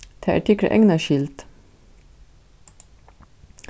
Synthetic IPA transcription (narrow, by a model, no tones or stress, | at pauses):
t̪ʰæːʔæ̰ʈʰɪklə̰ʔɛŋnɑʃɪlt̪